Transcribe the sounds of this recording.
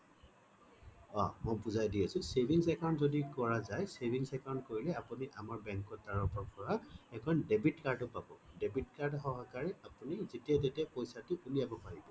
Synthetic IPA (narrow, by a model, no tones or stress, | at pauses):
ɔ̰mojpuzajdijasʊ̃sebʱiŋsɛkawntzodikɔɹazajsebʱiŋsɛkaw̃ntkoɹilɛapuniʔamaɹbɛŋkɔtːaɹɔpɔɹpɔɹaɛkʰɔndebitkaɹdɔpabɔ̰debitkaɹdɦɔɦakaɹɛapunizetiat̬etɛpojsatʊʔulijabɔpaɹibɔ